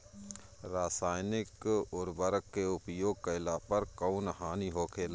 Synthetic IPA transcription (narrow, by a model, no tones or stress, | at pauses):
ɾaːsaːjnɪkɔːɾbəɾəkːeʊpjoːɡ̚kaɪlaːpəɾkaːnɦaːniɦoːkʰeːlː